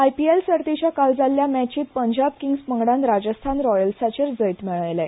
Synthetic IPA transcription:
ajpielsəɾt̪it͡ɕjakald͡zaljamæt͡ɕiːt̪̚pəɲd͡ʑab̚kiŋɡspəŋɡɽãnɾad͡ʑəst̪ʰanɾɔjəlsat͡ɕeɾd͡zəjt̪mɛɭajlaj

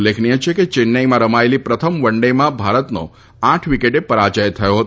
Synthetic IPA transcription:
lːekʰɳiet͡ʃʰeket͡ʃɪnːəjmãɾəmaelipɾət̪ʰəmʋəɳɖemãbʱaɾət̪no̰ | aʈʰʋikeʈepəɾat͡ʃəjt̪ʰəjoɦət̪

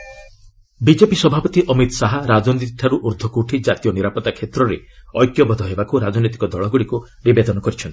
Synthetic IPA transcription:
bid͡ʒepisɔbʱapɔt̪iʔɔmit̪ɔsaɦaɾad͡ʒɔnit̪ʈʰaɾuʔuɾd̪ʱɔkuʈʰid͡ʒat̪ijɔniɾapɔt̪akʰet̪ɾɔɾeɔjkjɔbɔd̪ʱɔɦebakuɾad͡ʒɔnit̪ikɔd̪ɔɭɔɡuɽiku | nibed̪ɔnɔkɔɾit͡ʃʰɔnt̪i

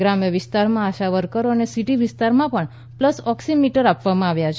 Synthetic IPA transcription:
ɡɾamjəʋɪst̪aɾmãːʃaʋəɾkəɾoənesiʈiʋɪst̪aɾmãpəɳ | pləsɔksimiʈəɾapʋamãaʋjat͡ʃʰe

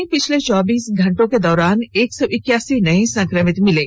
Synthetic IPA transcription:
ĩpɪt͡ʃʰlet͡ʃɔːbiːsɡʱɐ̃ɳʈõked̪ɔːɾaːneːksɔːʔɪkjaːsinɐĩsɐ̃ŋkɾəmɪt̪mɪleː

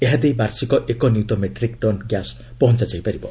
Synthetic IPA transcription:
eɦad̪ejbaɾsikɔʔekɔnjut̪omeʈɾikʈɔnɡjas | pɔɦɔnt͡ʃad͡ʒajpaɾibɔ

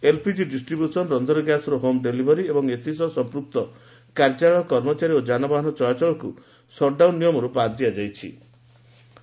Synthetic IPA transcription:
elpʰid͡ʒiɖisʈɾibjusɔnɔɾɔnd̪ɔɾɔɡjasɔɾɔɦomɖelibʱɔɾiebɔŋet̪ʰisɔsɔmpɾuk̚t̪ɔ | kaɾd͡ʒaɭɔkɔɾmɔt͡ʃaɾiod͡ʒanɔbaɦɔnɔt͡ʃɔjat͡ʃɔɭɔku | sɔɖawnːijɔmɔɾupad̪iad͡ʒajt͡ʃʰḭ

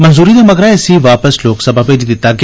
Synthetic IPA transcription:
mənzuːɾiːd̪aːməɡɾãeəsĩːʋaːpəsloːksəbʱaːbeːd͡ʒ̪id̪ɪt̪ːaːɡ

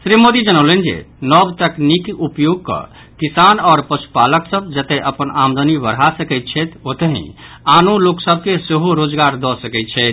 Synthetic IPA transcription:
sɾimod̪id͡ʒənəwlend͡ʒḛnɔbt̪əknikiupjoɡ̚kə̰ | kisanɔːɾpəʃu̥paləksəbd͡ʒət̪eʔəpənamd̪ənibəɾɦasəkɛjt̪̚t͡ʃʰɛt̪ʰot̪əɦḭ̃ | anoloksəb̚ʱkeseɦoɾod͡ʒɡaɾd̪ɔsəkɛt̪t͡ʃʰɛt̪

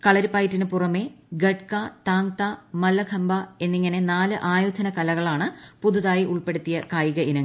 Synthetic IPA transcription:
kɐɭɐɾupɐːjtːinɨpurɐme̞ːɡeʈ̚kat̪aːŋt̪amɐlːɐkʰɐmbae̞nːiŋːɐne̞naːlɨʔaːjud̪ʱɐnɐkɐlɐɣɐɭaːɳɨpuðuðaːjiʔuɭpe̞ɽut̪ːijɐkaːjiɣɐʔinɐŋː

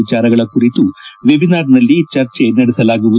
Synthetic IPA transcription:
it͡ɕaːɾɐɣɐɭɐkːurit̪ːuʋibinaːɖnɐlːit͡ʃɐrt͡ʃenɐɽusɐlaːɡuʋu

